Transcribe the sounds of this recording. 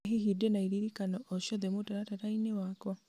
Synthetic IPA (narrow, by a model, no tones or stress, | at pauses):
ɦihidenaiɾiɾikanɔʔɔʃɔðɛmotaɾataɾainewakwa